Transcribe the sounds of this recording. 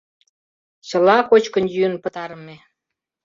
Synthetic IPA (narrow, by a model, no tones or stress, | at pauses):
t͡ɕəlɑkot͡ɕkənjyənpə̆t̪ɑɾəme